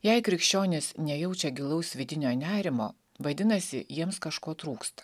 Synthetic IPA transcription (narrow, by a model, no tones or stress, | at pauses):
jɛɪkɾʲɪkʃʲt͡ʃʲoːnʲɪsnʲɛjɛʊt͡ʃʲɛɡʲɪlˠɐʊsʋʲɪd̪ʲɪnʲoːnʲæːɾʲɪmo̰ː | ʋɐd̪ʲɪnɐsʲɪjiɛmskɐʃkoːt̪ɾuːkst̪ɐ̥